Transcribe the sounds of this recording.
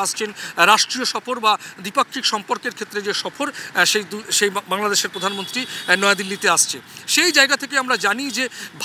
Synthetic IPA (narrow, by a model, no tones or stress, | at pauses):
aʃt͡ɕʰenɾaʃʈɾioʃɔfoɾbad̪ipakʰːikʃɔmpoɾkeɾkʰet̪ːɾed͡ʑeʃɔfoɾʃed̪uʃejbaŋlad̪eʃeɾpɾod̪ʱanmont̪ɾinɔead̪ilːit̪eaʃt͡ɕʰeʃejd͡ʑaeɡat̪ʰekeamɾad͡ʑanid͡ʑebʱ